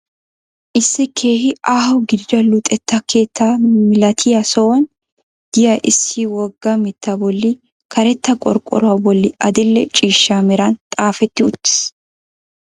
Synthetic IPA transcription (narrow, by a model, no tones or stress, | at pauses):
ʔɪsːɪkʰe̞ːhɪʔaːhʊɡɪd͡ʒɐlʊt̪ʼɛt̪ːɐkʰe̞ːt̪ːamɪlɐt̪ʰɪjɐsɔwɔn | d̪̥ɪjɐʔɪsːiːwɔɡːɐmɪt̪ːɐbɔlːi | kʰɐɾɛt̪ːɐkʼɔ̰ɾkʼɔ̰ɾʊɐbɔlːɪʔɐd̪ɪlːɛt͡ʃʼiːʃːaːmɪɾant̪ʼaːfɛt̪ːɪʊt̪ːɪ̥s